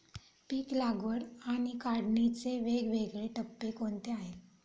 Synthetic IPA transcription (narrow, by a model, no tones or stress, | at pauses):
piːklaɡʋəɽaɽ̃ikaɽnit͡seʋeɡʋeɡɭeʈəpːekoɳt̪eaɦel